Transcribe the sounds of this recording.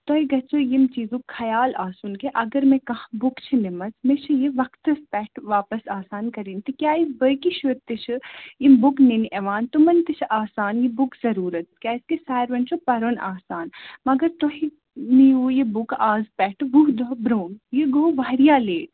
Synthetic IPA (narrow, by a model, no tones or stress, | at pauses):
t̪oɦiɡɐt͡ʃʰojimt͡ʃiːzũkʰɐjaːlaːsunkeʔɐɡɐɾmẽkɐɦbʊkt͡ʃʰinemɐzmẽt͡ʃʰɨjeʋɐkʰt̪ɐspɛːʈʰʋaːpɐsaːsaːnkɐɾiːnt̪ikʲjaːisbəjkiʃuɾt̪it͡ʃʰɨimbʊkninʔɛʋaːnt̪umɐnt̪it͡ʃʰʔaːsaːnjebʊkzɐɾuːɾɐt̪̚kʲjaːɪskesaːjɾʋɐnt͡ʃʰupɐɾonaːsaːnmɐɡɐɾt̪oɦi | nijuːjebʊkaːzpɛʈʋuɦd̪ɔɦbɾoːnjeɡoʋaːɾijaːleːʈ